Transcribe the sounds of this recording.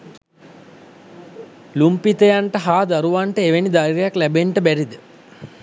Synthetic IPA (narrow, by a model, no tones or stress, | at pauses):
lumpit̪əjaɳʈəɦaːd̪aɾuʋaɳʈəeʋenid̪aɾɾɐjaklæbeɳʈəbæɾid̪ə